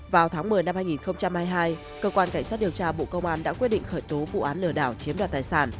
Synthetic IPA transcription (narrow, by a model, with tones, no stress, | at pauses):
vaː˨˩wt̪ʰaː˨˦ŋmɨ˨˩əjna˧mhaː˧jŋi˨˩nxə˧wŋ͡mt͡ɕa˧mhaː˧jɦaː˧j | kəː˧kwaː˧nka˧˩ŋ̟saː˦˥t̚ɗi˨˩əwt͡ɕaː˧ɓo̰˧˨kə˧wŋ͡mʔaː˧nɗa̰ː˧˥kwt̚ɗḭ˧˨ŋ̟xəː˧˩jt̪o˨˦vṵ˧˨ʔaː˨˦nlɨ˧˩əɗaː˧˩wt͡ɕi˨˦əmɗwaː˨˩t̪aː˨˩jsaː˧˩n